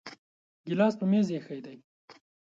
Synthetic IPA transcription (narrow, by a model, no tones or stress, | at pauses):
ɡɪlɑːspəmezjexəjd̪aj